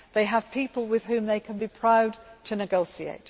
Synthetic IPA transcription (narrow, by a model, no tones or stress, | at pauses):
ðeɪəv̥pʰiˑpəlˠwɪð̥hʉ̃mðeɪkʰə̃nbipʰɹ̥aʊdtʰɨnɨɡoʊsiḛɪt